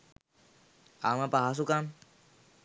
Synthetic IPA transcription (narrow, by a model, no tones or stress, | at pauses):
amãpaɦas̬ukam